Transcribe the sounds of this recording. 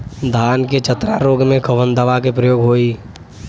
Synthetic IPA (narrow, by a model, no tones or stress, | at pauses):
d̪ʱaːnket͡ʃʰət̪ɾaɾoːɡmẽkʰəʋənd̪əʋakepɾəjoːɡɦoːiː